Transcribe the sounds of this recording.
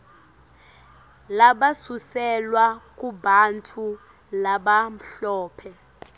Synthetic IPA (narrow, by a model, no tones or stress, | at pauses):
laɓasusɛlwak̬ʼuɓantʰu | laɓam̩ɬɔːpʰɛ